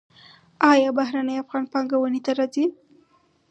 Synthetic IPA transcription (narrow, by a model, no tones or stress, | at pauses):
ɑjɑbaɦɾanəjafɣɑnpɑŋɡawənet̪aɾɑzi